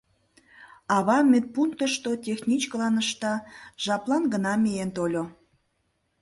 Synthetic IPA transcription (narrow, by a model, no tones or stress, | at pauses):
ɑβɑmet̪̚puŋk̚t̪əʃt̪otʲexnʲit͡ɕkəlɑnəʃt̪ɑʒ̥ɑplɑnɡənɑmʲejent̪olʲo